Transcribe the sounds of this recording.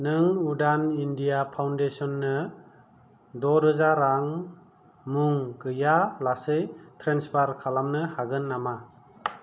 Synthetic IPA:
nɯŋudanindijapʰawndesɔnːɯ | dɔɾɯzaɾaŋ | muŋɡɯjalasɯjtʰɾenspʰaɾkʰalamnɯhaɡɯnːama

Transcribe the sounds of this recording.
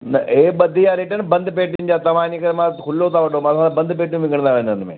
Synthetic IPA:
nɐeːɓɐd̪ʱijãːɾeːʈənbɐ̃nd̪ʱəp̬eːʈɪnd͡ʑaːt̪ɐʋaːnikɐɾmãkʰʊlːot̪aʋɐɖomãtsãːd̪abɐ̃nd̪p̬eːʈjũʋɪ̃ŋɡəɽ̃nd̪aʋẽːnənmḛ̃ː

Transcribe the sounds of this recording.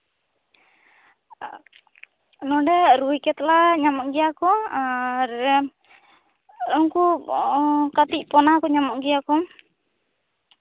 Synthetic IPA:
nɔɖɛɾujkɛt̪laɲamaɡɛjakɔaɾ | ɔŋku | kat̪iʔpɔnakɔɲamɔʔɡɛjakɔm

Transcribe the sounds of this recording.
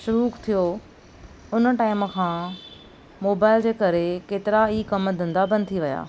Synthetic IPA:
ʃʊɾuːkt̪ʰijo | ʊnə̆ʈaːɪmkʰãː | moːbaːɪld͡ʑeːkɐɾekeːt̪ɪɾaikɐmd̪ʱə̃nd̪abɐ̃nd̪̚t̪ʰiʋɐja̰ː

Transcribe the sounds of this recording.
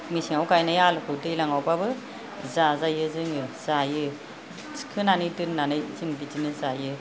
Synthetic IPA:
misiŋawkajnajalkʰɯwtɯjlaŋawpabɯ | zazajɯzɯŋɯz̥ajɯ | kʰɯnanɯjtɯnːanɯjziŋditinɯzajɯ

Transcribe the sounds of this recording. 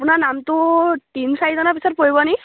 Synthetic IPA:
punanamtʊtinsajizɔnapisɔt̚poibɔni

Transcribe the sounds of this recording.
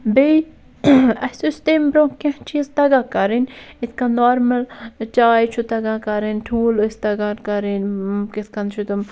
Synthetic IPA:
bej | ɐsust̪embɾõkʲɐ̃t͡ʃʰizt̪ɐɡakɐɾinit̪̚ʰkanoːɾmɐlt͡ʃaːjt͡ʃʰut̪ɐɡakɐɾinʈʰuːlost̪ɐɡankɐɾinkit̪ʰkɐnt͡ʃʰut̪um

